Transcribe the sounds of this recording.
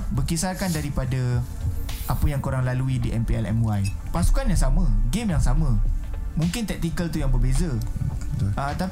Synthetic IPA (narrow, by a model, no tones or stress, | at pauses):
bərkisarkandaɾipada | ʔapəjaŋkoɾaŋlaluidiʔɛmpeɛlɛ̰mwajpasu̥kanjaŋsamə̃ɡemjaŋsamə̃mũŋkɪnt̪ɛk̚t̪ikəlt̪ujaŋbərbezat̪ət̪a